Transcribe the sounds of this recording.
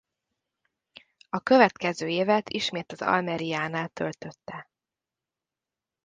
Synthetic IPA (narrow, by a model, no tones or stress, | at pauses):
ɒkø̞vɛt̪kɛzøːeːvɛt̪ʰiʃmeːt̪ɒzɒ̰lmɛɾijaːnaːlt̪ø̞lt̪ø̞t̪ːɛ